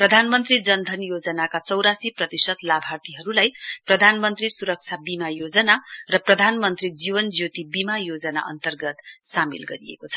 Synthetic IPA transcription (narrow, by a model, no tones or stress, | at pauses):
prʌd̪ʱanmʌnt̪rid͡zʌnd̪ʱʌnjod͡zʌnakat͡sʌwɾasiprʌt̪isʌt̪labʱart̪iɦʌɾulajprʌd̪ʱanmʌnt̪risuɾʌk̚t͡sʰabimajod͡zʌnarʌprʌd̪ʱanmʌnt̪rid͡ziβʌnd͡zjot̪ibimajod͡zʌna̰ʔʌ̰nt̪ʌrɡʌt̪samḭlɡʌɾiḛkot͡sʰʌ̥